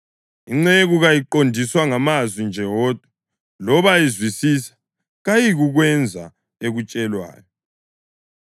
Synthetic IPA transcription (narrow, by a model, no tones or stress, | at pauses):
iŋ͡ǀeɣuɣajiǃondʱiswaŋamazwind͡ʒʱɛwɔːd̥ʱwa | lɔβajizwisisḁ | ɣajiɣuɣwɛnd͡zʱa | eɣut͡ʃʼɛlwa̰ːjɔ